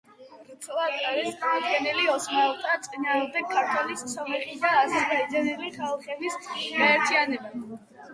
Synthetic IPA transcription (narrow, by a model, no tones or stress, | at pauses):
ɾt̪sʰlˠad̪aɾisdamɔd̪ɡɛniliɔsmaɛlˠt̪ʼat̪sʼinaːmd̪ɛɡ̚kʰːaɾt̪ʰwɛlissʰɔmɛχid̪aːzɛsd̪ad̪zɛniliχalˠχɛbisɡaɛɾt̪ʰianɛba